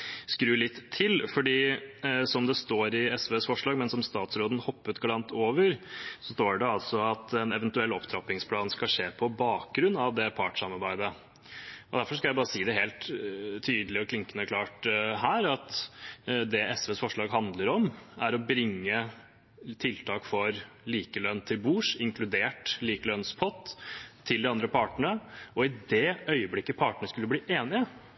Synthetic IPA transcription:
skɾʉːlɪt̪ʰːɪlfɔɖiːsɔmd̪ɛst̪oːɾɪɛsʋeːsfɔʂɭɑːɡmɛnsɔmst̪ɑːt̪sɾoːd̪ən̩hɔpːət̪ɡɑlɑnt̪oːʋəɾsɔst̪oːɖɛɑlsɔɑt̪ɛnɛʋənt̪ʉɛlːɔpt̪ʰɾɑpɪŋspʰlɑːnskɑʂeːpʰɔbɑːk̚ɡɾʉnːɑʋd̪ɛpʰɑːʈʂɑmɑɾbæɪd̪ə | ɔd̪æɾfɔɾʂkɑlæɪbɑːɾəsiːd̪ɛɦeːlt̪ʰyːd̪əlɪɔkʰlɪŋkənəɾkʰlɑːʈɦæːɾɑt̪ | d̪ɛʔɛsʋɛːsfɔʂɭɑːɡɦɑnd̪ləɾɔmæɾɔbɾɪŋːə | t̪ʰɪlt̪ʰɑːkfɔɾ | liːkəlœnːt̪ʰɪlbuːʂɪŋklʉd̪eːʈliːkəlœnspʰɔt̪ʰːɪld̪ɪɑnd̪ɾəpʰɑʈəɳəɔɪd̪ɛœʏəblɪkːəpʰɑːʈəɳəʂkʉlːəbliːʔeːnɪə

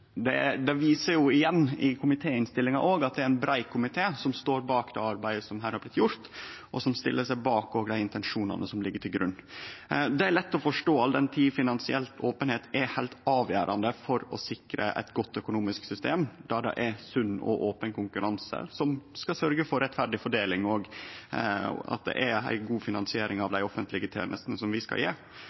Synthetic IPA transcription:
d̪ɛd̪ɛʋiːsəɾjʊɪjɛnːɪkʰʊmɪt̪ʰeːɪnst̪ɪlːɪŋɑʔoːɡɑt̪̚d̪ɛæɾɛnbɾæɪkʰːʊmɪt̪ʰeːsɔmst̪oːɾbɑːkd̪ɛɑɾbæɪəsɔmɦæːɾhɑɾblɪt̪ːjʊɾt̪ʔɔsɔmst̪ɪ̰lːəʂæɪbɑːkoːɡəɖ̪æɪɪnt̪ɛnʂuːnɑ̰nəsɔmlɪɡːəʈʰɪlɡɾʉ̰nː | d̪ɛæɾɭɛt̪ːɔfɔʂʈoːɑld̪ɛnt̪ʰiːfɪnɑnsɪɛlt̪oːpənheːt̪ɛhæɪlt̪ɑːʋjæ̰ːɾʔɑ̰nd̪əfɔɾɔ̰sɪkɾə̰ʔɛ̰t̪ɡɔt̪ːœkʊnuːmɪsksʏst̪eːmd̪ɑd̪ɛ̰ʔɛsʉnːɔ̰ʔoːpənkʊŋkʉɾɑnsə̰sɔmskɑsœɾɡəfɔɾːɛt̪fæɾɖɪfɔɖeːlɪŋɔɡ | ɑ̰t̪̚d̪ɛ̰ʔææ̰ɪɡuːfɪnɑnsɪeːɾɪŋɑʋd̪æɪɔfənt̪lɪɡət̪ʰḛːmʔə̰st̪nəsɔmʋɪskɑ̰jḛː

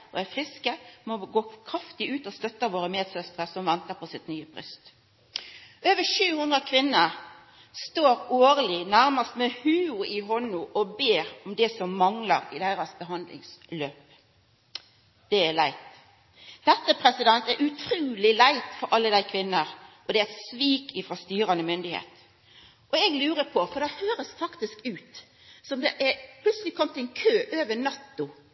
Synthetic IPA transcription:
ɔ̰æfʁɪskəmɔɡoːkʰʁɑft̪ɪʉːt̪ɔst̪œt̪ːəʋoːɾəmeːd̪sœst̪ʁəsɔmʋɛnt̪əpʰɔsɪt̪nyːəpʁʏ̰st̪ | øːʋəʂʉːhʉnd̪ʁəkʰʋɪnːəʁ | st̪oːɾoːʁlɪnæɾmɑst̪mɛhʉːʊɪɦɔnʊʔɔbeːʁɔmd̪ɛsɔmːɑŋləɾɪd̪æɪɾɑsbəɦɑnd̪lɪ̰ŋsløːp | d̪̥ɛælæɪt̪ | d̪̥ɛt̪ːəpʰɾɛsɪd̪ɛnt̪æɾʔʉt̪ʰɾʉːlɪlæɪt̪fɔɾʔɑlːəd̪æɪkʰʋɪnːəɾʔɔd̪ɛæt̪sʋiːkɪfɾɑst̪yːɾɑnəmʏnd̪ɪhḛːt̪ | ʔɔɛɡlʉːɾəpʰɔfɔɾd̪ɑhøːɾəsfɑkt̪ɪskʉːt̪ | sɔmd̪ɛʔæɾpʰlʉt̪səlɪkʰɔmːət̪ɛnkʰøːʔøːʋənɑt̪ːʊ

